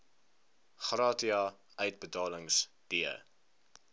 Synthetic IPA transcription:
χrɑːtiɑ | œɥt̚bətɑːləŋs | d̥iə̰

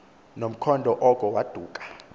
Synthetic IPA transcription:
nom̩kʰɔndʱɔʔɔkʼɔwad̥ʱuːkʼḁ

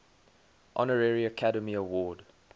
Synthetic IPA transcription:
ʔɔ̰nəɹɛɹiəkʰaɾəmiəwɔːd

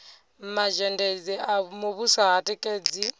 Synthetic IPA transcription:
maʒɛndɛd͡ziamoβusaɦatʼɛkʼeːd͡zi

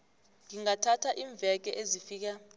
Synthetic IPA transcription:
ŋiŋatʰatʰaʔiːɱb̪vɛk̬ɛʔezifiːk̬a

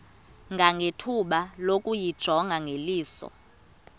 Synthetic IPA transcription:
ŋɡʱaŋɡʱetʰuɓalokʼujid̥ʒ̥ʱɔŋɡʱaŋʱeliːsɔ̰

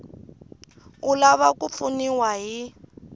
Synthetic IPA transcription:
ulaβakup̪funiwaɦi

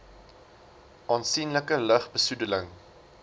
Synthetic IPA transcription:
ʔɑːnsinləkələχbəsudələŋ

